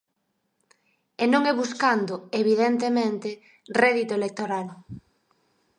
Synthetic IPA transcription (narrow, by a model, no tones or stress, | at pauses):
enõŋɛβuskand̪ʊeβiðent̪̬emẽnt̪e | rɛðit̪oelek̚t̪oɾal